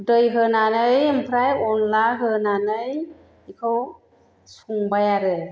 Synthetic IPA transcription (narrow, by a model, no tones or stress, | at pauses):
dɯjɦɯnanɯjɯmpʰɾajɔnlaɦɯnanɯj | ikʰɯw | suŋbajaɾɯ